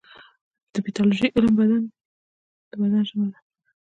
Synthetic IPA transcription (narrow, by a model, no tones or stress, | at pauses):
d̪̥əmit̪ɑloʒejʔɪləmbad̪an | d̪̥əbad̪anʒəməla